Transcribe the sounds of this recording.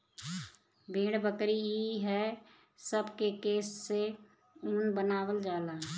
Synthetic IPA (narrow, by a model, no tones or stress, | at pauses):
bʱẽːɽbəkɾiɦiɦɛː | səbkekeːsːe | ʊnbənaːwəld͡ʒaːlaː